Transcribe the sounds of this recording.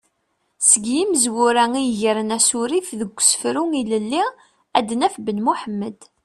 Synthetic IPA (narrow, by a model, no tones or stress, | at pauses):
səɡjiməzwʊɾæŋiʝəɾənæsuɾifðəɡ̥ʷːsə̥fɾuŋiləlːi | æd̪ːnæfbənmuħəmːəd̪